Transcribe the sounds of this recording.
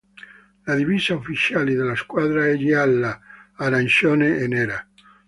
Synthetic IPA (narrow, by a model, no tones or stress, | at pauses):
laðivizaufit͡ʃjalid̪elaskwaðɾaɛʎialːaːɾanʃjoneeneɾa